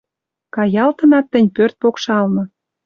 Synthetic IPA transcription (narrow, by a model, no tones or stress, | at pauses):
kɑjɑlt̪ɤ̆nɑt̪ːɘ̆nʲpørt̪̚pokʃɑlnɤ̆